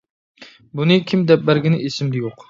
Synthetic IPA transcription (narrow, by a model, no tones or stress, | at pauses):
bunɨkʲʰimd̪ɛp̚bæɾɡʲinɪʔesɪmd̪ɛjoq